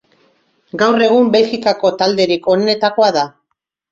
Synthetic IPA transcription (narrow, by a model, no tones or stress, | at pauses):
ɡawre̞ɣ̞umbe̞lxikako̞t̪ald̪e̞ɾiko̞nne̞t̪ako̞aða